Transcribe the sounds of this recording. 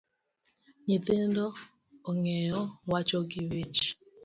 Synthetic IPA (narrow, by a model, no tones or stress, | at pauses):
ɲit̪endoː | ŋɛjɔwat͡ʃɔɡɪwit͡ʃ